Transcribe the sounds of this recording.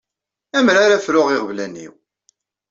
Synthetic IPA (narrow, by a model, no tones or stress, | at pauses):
æmɾaɾafɾʊʁiʁvlænḭw